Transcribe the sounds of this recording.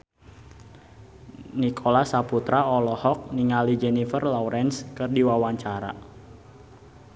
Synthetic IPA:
nikʰolasaput̪ɾaɔlɔhɔk̚niŋalid͡ʒenifərlɔuɾɛnskɨrdiwawaɲt͡ʃaɾa̰

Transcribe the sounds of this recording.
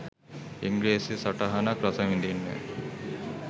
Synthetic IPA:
iŋɡɭeːsisɐʈɐɦɐnɐkɾɐsɐmind̪inːḛ

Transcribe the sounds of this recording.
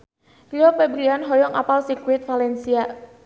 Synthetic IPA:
liɔpɛbɾianɦɔjɔŋapalsikwɪt̪̚falɛnsia

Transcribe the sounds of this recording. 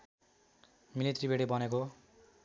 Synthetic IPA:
milit̪ribeɽibʌneko

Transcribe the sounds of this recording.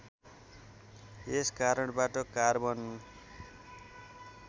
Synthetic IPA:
eskaɾʌɽbaʈʌkarbʌnu

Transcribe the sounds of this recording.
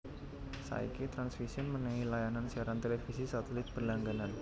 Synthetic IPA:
sa̰ḭkit̪ɾansfisiʊnmənɛŋilajanansiaɾant̪elefisisat̪elɪt̪̚b̥ərlaŋɡanan

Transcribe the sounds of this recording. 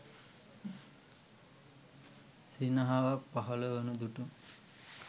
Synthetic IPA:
sinaɦaʋapaɦɐləʋənud̪uʈu

